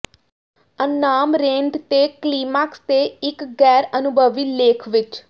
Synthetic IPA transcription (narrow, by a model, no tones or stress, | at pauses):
ənːaːmɾẽːɳɖt̪eːkliːmaːkst̪eːɪkɡɛːɾənʊbʱəʋiːleːkʰʋɪt͡ʃ